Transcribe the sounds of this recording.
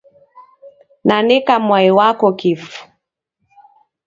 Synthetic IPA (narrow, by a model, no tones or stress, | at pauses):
nanɛkamwaiwakɔkifu̥